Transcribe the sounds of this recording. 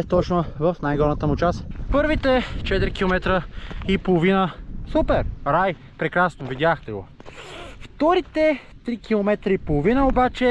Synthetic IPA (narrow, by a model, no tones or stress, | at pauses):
t̪ɔt͡ʃnovəfnajɡɔɾmət̪əmʊt͡ʃaspɤɾvit̪ɛt͡ʃɛt̪ɾikilˠomɛt̪ɾəipolˠovinəsupɛɾɾaj | pɾɛkɾasnovid̪ʲaxt̪ɛɡo̰ | ft̪ɔɾit̪ɛ | t̪ɾikʰilˠomɛt̪ɾəipolˠovinəobat͡ʃɛ